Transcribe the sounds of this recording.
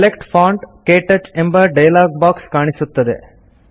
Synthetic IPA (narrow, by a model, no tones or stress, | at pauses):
kɐlekʈpʰaːɳɖkeːʈɐt͡ʃembɐɖɐjɐlaːɡ̚baːkskaːɳisut̪ːɐd̪ḛ